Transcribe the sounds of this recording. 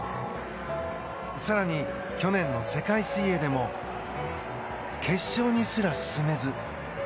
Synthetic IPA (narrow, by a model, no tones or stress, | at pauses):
saɾaɲ̟i | kʲo̞nẽ̞nːo̞se̞kaisɨie̞d̪e̞mo̞ | kʰe̞ɕːo̞ːɲ̟isɨɾasɨ̥sɨme̞zɨ